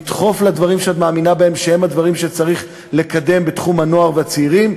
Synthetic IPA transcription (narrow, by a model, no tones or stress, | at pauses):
t̪χo̞flad̪vaʁimʃeat̪maːminabae̞mʃehe̞mhad̪vaʁimʃet͡saʁiχ | le̞kad̪e̞mbe̞t̪χumhano̞aʁveat͡siːʁim